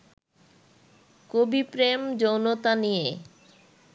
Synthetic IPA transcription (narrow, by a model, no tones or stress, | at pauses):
kobipɾemd͡ʑownot̪anije